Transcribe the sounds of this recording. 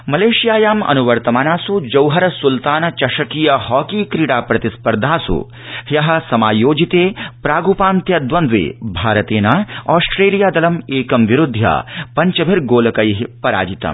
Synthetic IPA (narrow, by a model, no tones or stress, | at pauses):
mɐleːʃijaːjaːmɐ̰nuʋɐɾt̪ɐmaːnaːsud͡ʒɐwɦɐɾɐsult̪aːnɐt͡ʃɐʃɐkijɐhɔːkiːkɾiːɽaːpɾɐt̪ispɐɾd̪ʱaːsṵ | hjɐɦɐ̆sɐmaːjoːd͡ʒit̪eːpɾaːɡupaːnt̪jɐd̪ʋɐnd̪ʋḛːbʱaːɾɐt̪eːnaːɔːsʈɾeːlijaːd̪ɐlɐmeːkɐmʋiɾud̪ʱja̰ːpɐɲt͡ʃɐbʱiɾɡoːlɐkɐjiɦipɐɾa̰ːd͡ʒit̪ɐ̰m